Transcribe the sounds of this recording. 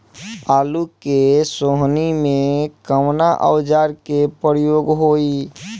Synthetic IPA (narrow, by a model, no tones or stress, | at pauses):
aːlukesoɦnimẽkəmnaʔə̰wd͡ʒaɾkepəɾjoːɡɦoːi